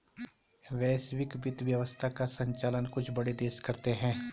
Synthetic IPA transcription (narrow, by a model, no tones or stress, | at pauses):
ʋɛːsʋɪkbɪt̪ʋjɐʋəst̪ʰakasə̃ɲt͡ʃaːlənkʊt͡ʃʰbɐɽed̪eːʃkɐɾt̪eɦɛ̃ː